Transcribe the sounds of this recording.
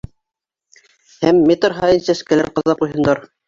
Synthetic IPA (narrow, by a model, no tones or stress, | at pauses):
hæmːet̪ɾɦɑjɤnsæskælæɾqɑðɑp̚qujɦɤ̆nd̪ɑɾ